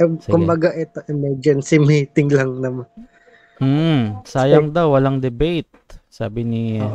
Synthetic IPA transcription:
ɛskʊmbɐɡaʔɛt̪oʔɛmɛd͡ʒɛnsimit̪ɪŋlaŋnɐman̩ | saːjɐŋd̪awːɐlaŋd̪ɛbejt̪̚saːbɪni

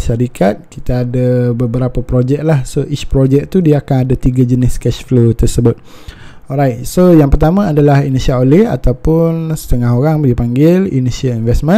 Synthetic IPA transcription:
ʃaɾikʰat̪̚kit̪aadəbəbəɾapəpɾod͡ʒɛk̚lahsoʔit͡ʃpɾod͡ʒɛk̚t̪udiaakanadat̪iɡad͡ʒənɪskɛʃflot̪ərsəbʊt̪̚ | ɔlɾajt̪̚sojaŋpərt̪amə̃adalaɦinisiaolɛha̰t̪awpʊnsə̥t̪əŋaɦoɾaŋdipaŋɡɪlḭnisialinvɛsmə̃

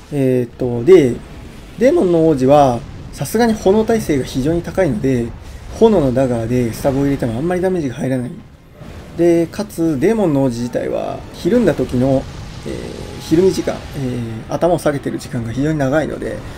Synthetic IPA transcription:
eːt̪ːo̞d̪e̞ | d̪e̞ːmõ̞nːooːʑiβa | sasɨɡaɲ̟iho̞no̞t̪aise̞ːɡaçiʑo̞ːɲ̟it̪akaino̞d̪e̞ho̞no̞no̞d̪aɡaːd̪e̞sɨ̥t̪abɯoiɾe̞t̪emo̞amːaɾʲid̪ame̞ʑiɡahaiɾanai | d̪e̞kat͡sɨd̪e̞ːmõ̞nːooːʑiʑit̪a̰ḭβa̰çiɾɯ̟̃nd̪at̪o̞kʲino̞ḛːçiɾɯ̟mʲiʑikã̰ɴeːa̰t̪amaosaɡe̞t̪e̞ɾɯ̟ʑikãŋɡaçiʑo̞ːɲinaɡaino̰d̪e̞̰

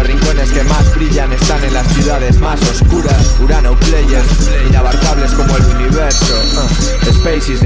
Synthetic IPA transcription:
riŋkone̞ske̞mazβɾiʎane̞st̪anẽnlasθjuðað̞ezmasoskuɾasuɾanoklejeɾs | inaβaɾkaβ̞leskomoeluniβ̞eɾso | espejsiz

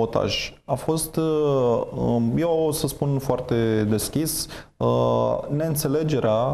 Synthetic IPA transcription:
ot̪a̰ʒafo̞st̪ | jewosəspunfoart̪e̞d̪e̞skʲisəne̞ɨnt̪se̞le̞d͡ʒe̞ɾea

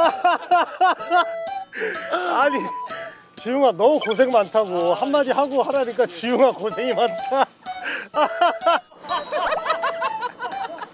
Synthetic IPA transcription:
aɲi | t͡ɕijuŋanʌmukos̬ʰe̞ŋmantʰaɡohamːad͡ʑiɦaɡohaɾaɲik͈at͡ɕijuŋakosʰeŋimantʰa

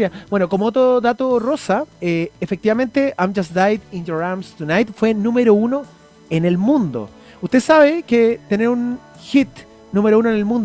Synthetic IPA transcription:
jab̥we̞nokomoot̪ɾoðat̪orosaeːfek̚t̪iβamẽ̞nt̪e̞ajmd͡ʒasd̪ajd̪ind͡ʒoɾamst̪unajt̪fwe̞nũmeɾouno | enelmũnd̪o̰ | ust̪esaβeket̪eneɾun | xit̪ | nume̞ɾounoenelmũnd̪

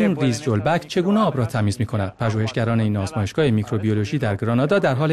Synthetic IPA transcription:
iːmriːzd͡ʒolbæct͡ʃʰe̞ɡuːneɒːbɾɒːt̪ʰæmiːzmiːkʰo̞næd̪̚pʰæʒuːhe̞ʃɟæɾɒːneiːnːɒːzmɒːjeʃɡɒːhemicʰɾo̞biolo̞ʒiːd̪æɾɡɾɒːnɒːd̪ɒːd̪æɾɦɒːl

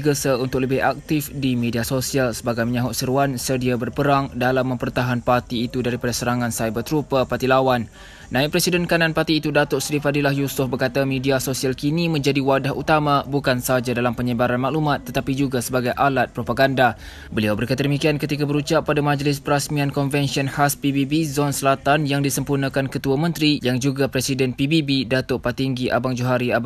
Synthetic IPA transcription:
ɡəsəunt̪ʊk̚ləbɪha̰k̚t̪ɪfdimediasosialsəbaɡajməɲãɦʊʔsəɾuansədiabərpəɾaŋdalamːə̃mpərt̪aɦanpart̪iːt̪udaɾipadasəɾaŋãnsajbərt̪ɾupəpat̪ilawan | nãik̚pɾɛsidɛnkanãnpat̪iːt̪udat̪ʊʔslifadilahjusʊfbərkat̪amediasosialkinĩmə̃ɲd͡ʒadiwadaɦut̪amãbukansəad͡ʒadalampəɲəbaɾanmaʔlumat̪ːət̪apid͡ʒuɡasəbaɡajʔalat̪̚pɾopaɡanda | bəliawbəɾekat̪ədəmikiankət̪ikabəɾut͡ʃaʔpːadamãd͡ʒlɪspəɾasmĩãnkɔnvɛnsiɔnhaspibibizɔnsəlat̪anjaŋdisəmpurnãkankət̪uamə̃nt̪ɾijaŋd͡ʒuɡapɾɛsidɛnpibibidat̪ʊʔpat̪iŋɡiʔa̰baŋd͡ʒuɦaɾia

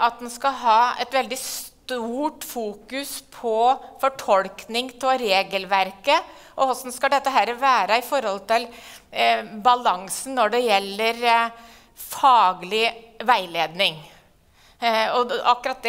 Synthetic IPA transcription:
ɑt̪̚d̪ɛnskɑɦɑːɛt̪ʋɛld̪ɪst̪uːʈfuːkʉspʰɔfɔʈʰɔlknɪŋt̪ʰɛɾeːɡəlʋæɾkə | ʔɔɔsɔn̩skɑd̪ɛt̪ːəɦæɾʋæːɾəɪfɔɾhɔlt̪ʰɪl | bɑlɑŋsn̩nɔɖɛjɛlːəɾ | fɑːɡlɪʋæɪleːd̪nɪŋ | ɔʔɑkːɾɑt̪̚d̪

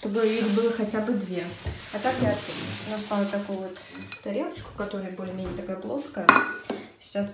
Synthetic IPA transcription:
ʂt̪o̞bɨixbɨlˠəxɐtʲabɨd̪vʲeɐt̪akjat̪ʲnasalʲˠət̪ːɐkojʊvot̪ | t̪ɐɾʲelˠət͡ɕkʊ̥kɐt̪oɾʊjbolʲɪmʲenʲɪət̪ɐkablˠoskəə | sʲɪ̥t͡ɕas

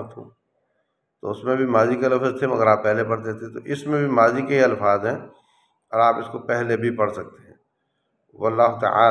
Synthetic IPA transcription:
t̪ʰṵ̃ː | t̪oʊsmẽbʱimaːzikelɐfzt̪ʰemɐɡəɾaːpːɛɦlepɐɽt̪et̪ʰet̪oʔɪsmẽbʱimaːzikeɦiɐlfaːzɦɛ̃ | ɔːɾaːpɪskopɛɦlebʱipɐɽsɐk̚t̪eɦɛ̃ː | wɐlːaːɦt̪ə̰a̰ː

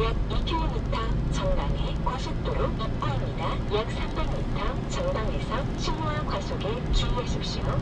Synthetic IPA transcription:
jak̚ipʰiɲitʰʌt͡ɕʰʌŋdaŋekwasʰɯk̚t͈oɾoip̚p͈aɦamɲida | jak̚sʰambeŋɲitʰʌŋt͡ɕʰʌŋdaŋesʰʌ | t͡ɕʰiŋwakwas͈oɡet͡ɕuieɕʰip̚ɕ͈iɾo

